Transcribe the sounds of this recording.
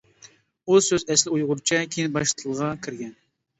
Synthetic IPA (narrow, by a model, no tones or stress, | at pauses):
usøzɛslɪujʁʊɾt͡ʃʰɛkʲʰenɪbɑʃt̪ʰəlˠʁɑkʲʰiɾɡʲɛn